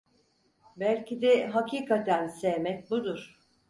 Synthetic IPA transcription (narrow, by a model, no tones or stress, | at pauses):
bælʲcid̪ɛɦakʰiːkʰat̪ʰænsejmɛc̚bud̪uɾ̥